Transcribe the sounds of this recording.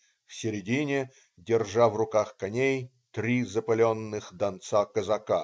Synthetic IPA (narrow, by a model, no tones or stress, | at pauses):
fsʲɪɾʲɪdʲinʲɪ | dʲɪrʐavrʊkaxkɐnʲej | t̪ɾʲizəpɐlʲonːɨxd̪ɐnt̪sakəzɐka